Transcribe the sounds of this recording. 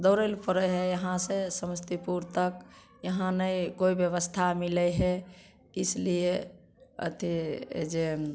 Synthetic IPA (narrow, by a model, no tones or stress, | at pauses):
d̪ɔʊɾəlpəɾəɦɛjəɦãsesəməst̪ipuɾt̪ək | jəɦãnəjkoibjəβəst̪ʰamilɛɦɛ | islie | ə̰t̪ʰḭd͡ʒe